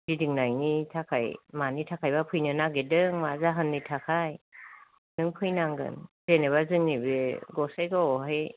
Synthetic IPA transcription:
didiŋnajnitʰakʰajmanitʰakʰajbapʰɯjnɯnaɡedɯŋmazaɦɯnːitʰakʰaj | dɯŋpʰɯjnaŋɡɯ̰n | ɾeneβazɯŋnibeɡɔsajɡɔɦaj

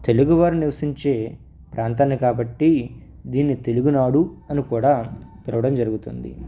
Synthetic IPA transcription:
t̪e̞luɡuʋaːɾuniʋɐsiɲt͡ʃe̞ː | pɾʔaːnt̪aːnːikaːbɐʈːi | d̪iːnːit̪e̞luɡunaːɽuɐnikuːɽaːpɛlɐʋɐɽɐmd͡ʒɐɾuɡut̪und̪ḭ

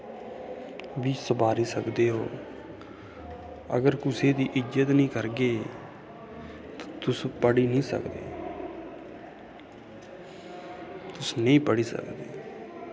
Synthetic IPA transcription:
ʋiːsəbaːɾiːsəkd̪eːɦo̰ː | ə̰ɡəɾkʊseːd̪iːʔɪd͡ʒət̪nĩːkəɾɡeː | t̪ḁ̃ːt̪ʊspəɽiːnĩːsə̰kd̪ḛː | t̪ʊsnẽĩːpəɽiːsə̰kd̪ḛː

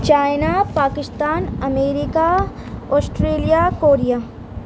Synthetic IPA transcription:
t͡ʃaːɪnapaːkɪst̪aːnɐmeːɾɪka | ɔːsʈɾeːlijakoːɾijaː

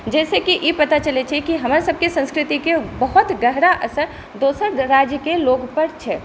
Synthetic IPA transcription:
d͡ʒɛːsekiʔipət̪at͡ʃəlɛt͡ʃʰɛkiɦəməɾsəb̚ʱkesə̃nskɾɪt̪ikebəɦut̪ɡəɦɾaʔəsəɾ | d̪osəɾɾad͡ʒjəkeloɡpəɾt͡ʃʰɛ

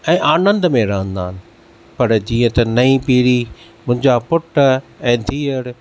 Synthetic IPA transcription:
ɛ̃ːʔaːnə̃nd̪mẽɾə̃ːɦə̃nd̪a̰ːɦɪnɪ̆ | pɐɾd͡ʑiːə̃t̪ɐnɐĩpiːɽi | mʊ̃ɦɪ̃ɲd͡ʑapʊʈɛ̃ːd̪ʱiːəɽ

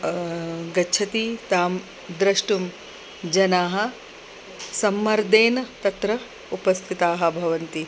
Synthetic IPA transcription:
ɡɐt͡ʃʰɐt̪it̪aːm | d̪ɾɐʂʈum | d͡ʒɐnaːɦɐ̆ | sɐmːɐɾd̪eːnɐt̪ɐt̪ɾɐ | upɐst̪ʰit̪aːɦɐ̆bʱɐʋɐnt̪i

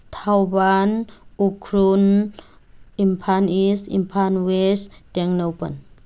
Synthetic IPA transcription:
t̪ʰawbanukʰɾun | impʰanisḭmpʰanwestɛŋnowpə̰n

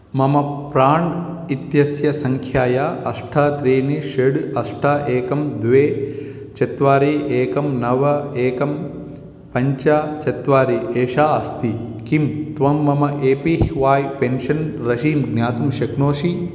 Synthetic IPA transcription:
mɐmɐpɾaːɳ | it̪jɐsjɐsɐŋkʰjaːjaɐʂʈʰaːt̪ɾiːniʃeɽɐsʈʰaʔeːkɐmd̪ʋeː | t͡ʃɐt̪ʋaːɾiːʔeːkɐmnɐʋɐeːkɐm | pɐɲt͡ʃaːt͡ʃɐt̪ʋaːɾiʔeːʃaːɐst̪ʰi | kimt̪ʋɐmːɐmɐʔeːpiɦiʋaːjpenʃɐnɾɐʃiːmɡnaːt̪umʃɐknoːʂi

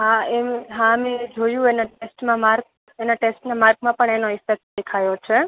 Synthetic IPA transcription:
ɦaemɦãəmed͡ʒojũenaʈesʈmãmaɾɡ | enaʈesʈnãmaɾɡmãpəɳenoɪfek̚ʈ̚d̪ekʰajot͡ʃʰe

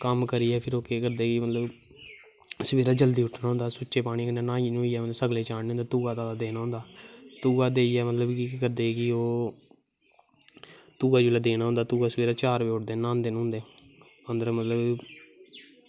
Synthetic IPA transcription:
kəmkəɾiːɛːpʰɪɾoːkeːkəɾd̪eːkimət̪ləb | səʋeːɾaːd͡ʒəld̪iːʊʈʰnaːɦõnd̪aːsʊːʃeːpaːɽ̃iːkəneːnãːiːnũːiːɛːmələsəɡleːt͡ʃaːɽeːõnd̪eːt̪uːaːt̪aːad̪eːnaːɦʊ̃ːnd̪aːt̪uːaːd̪eːiɛːmət̪ləbkikəɾd̪eːkɪoː | t̪uːɡaːd͡ʒuːlaːd̪eːnaːɦʊ̃nd̪aːt̪uːɡaːsəʋeːɾaːt͡ʃaːɾʋeːʊʈd̪eːnãːnd̪enʊ̃ːnd̪eː | ənd̪əɾmət̪ləb

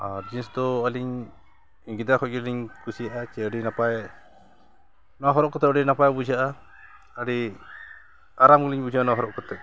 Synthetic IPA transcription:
aɾd͡ʒisd̪ɔəliɲ | ŋɡid̪akʰɔc̚ɡiliɲkusijaʔat͡ʃɛəɖinapaj | naɦɔɾɔʔkɔt̪ɛəɖinapajbud͡ʒʱaʔa | əɽi | aɾamɡliɲbud͡ʒʱanɔaɦɔɾɔʔkɔt̪ɛ

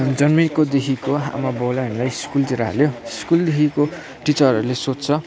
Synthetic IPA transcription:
d͡zʌnmikod̪ekʰikoɦa̰mabowlaʌnlajiskult̪iɾaɦa̰ljoiskuld̪ekʰiko | ʈit͡sʌrʌɾulesott͡sʰʌ

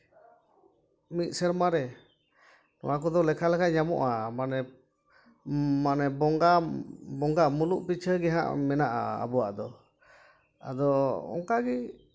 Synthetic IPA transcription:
mit̪̚ˀsɛɾmaɾɛ | nɔwak̬ɔd̪ɔlɛkʰalɛkʰaʔɲamɔ̰ʔamanɛ | manɛbɔŋɡabɔŋɡamuluʔpit͡ʃʰəɡɛɦã̰ʔmɛnaʔa̰a̰buwaʔd̪ɔ | a̰d̪ɔɔ̰ŋkaɡi

